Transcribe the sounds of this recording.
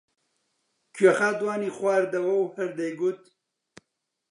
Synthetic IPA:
kʰɥɐxaːd̪waːniːxwaːɾd̪ɐwɐwhɐɾd̪ɐjɡut̪̚

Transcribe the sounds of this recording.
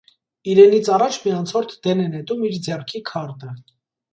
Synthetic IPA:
iɾɛnit͡sʰɑrɑt͡ʃʰmiɑnt͡sʰɔɾt̪ʰd̪̥ɛnɛnɛt̪umiɾd͡zɛrkʰikʰɑɾt̪ə

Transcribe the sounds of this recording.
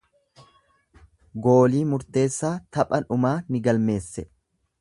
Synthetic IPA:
ɡo̞ːliːmʊɾt̪e̞ːsːaːt̪ɐpʼɐnʊmaːnɪɡɐlme̞ːsːɛ

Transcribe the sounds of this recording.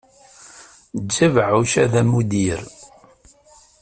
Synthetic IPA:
d͡ʒːævʕuʃæðæmud̪iɾ

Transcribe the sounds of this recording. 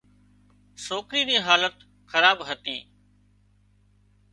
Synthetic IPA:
soːkɾiːd̪iːɦaːlət̪ | xəɾaːbɦət̪ĩː

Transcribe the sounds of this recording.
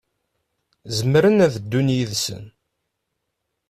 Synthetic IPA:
zəmɾənæðd̪ːunjiðsə̰n

